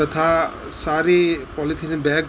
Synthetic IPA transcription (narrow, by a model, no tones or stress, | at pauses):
ət̪ʰa | saɾipɔlit̪ʰinebɛk